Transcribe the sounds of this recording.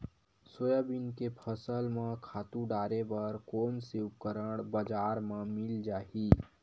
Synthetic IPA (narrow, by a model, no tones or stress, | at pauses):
soːjabinkepʰəsəlmãkʰaːt̪ũɖaːɾebəɾkoːnseʊp̚kəɾəɽbəd͡ʒaːɾmãmɪld͡ʒaːi